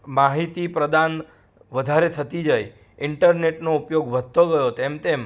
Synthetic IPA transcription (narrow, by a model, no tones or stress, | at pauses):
maɦit̪ipɾəd̪an | ʋəd̪ʱaɾet̪ʰət̪id͡ʒəj | ɪɳʈəɾneʈnoupjoɡʋʱət̪̚t̪oɡəjot̪emt̪em